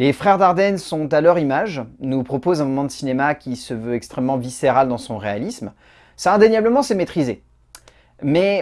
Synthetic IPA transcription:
lefχɛʁd̪aʁd̪ɛnsɔ̃t̪alœʁimaʒnupχɔpozɛ̃mɔmɑ̃d̪əsinemakʲisəvøɛkst̪χɛmːɑ̃viseʁald̪ɑ̃sɔ̃ʁealism | saɛ̃d̪enjabləmɑ̃sɛmet̪χize | mɛ

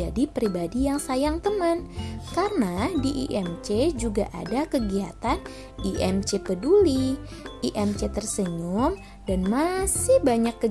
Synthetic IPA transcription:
adipɾibadijaŋsajaŋt̪əmənkarənadiʔḭʔɛmt͡ʃed͡ʒuɡa̰ʔa̰dakəɡia̰t̪an | iʔɛmt͡ʃepəduliʔiʔɛmt͡ʃet̪ərsəɲʊm | danmasɪhbaɲakːə

